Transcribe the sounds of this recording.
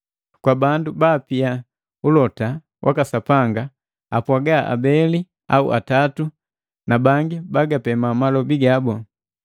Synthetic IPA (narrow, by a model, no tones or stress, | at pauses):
kwabandubaːpia | ulɔta | wʔakasapaŋɡa | apwaɡaʔa̰bɛli | aṵʔa̰tatu | nabaŋɡibaɡapɛmamalɔbiɡabɔ